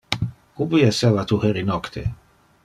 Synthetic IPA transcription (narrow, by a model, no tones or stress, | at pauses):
kubiesevat̪uheɾinɔkt̪ʰḛ